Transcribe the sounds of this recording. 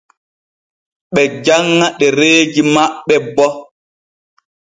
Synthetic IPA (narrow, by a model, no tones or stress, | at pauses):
ɓɛd͡ʒaŋːaɗɛɾeːd͡ʒimaɓːɛbɔ